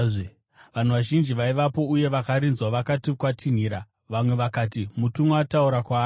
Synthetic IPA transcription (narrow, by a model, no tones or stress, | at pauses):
ʋan̤uʋaʒind͡ʒiʋaiʋapo̞uje̞ʋakaɾinzwaʋakatikwatʰin̤iɾa | ʋamwe̞ʋakaːtimutumuatauɾakwaː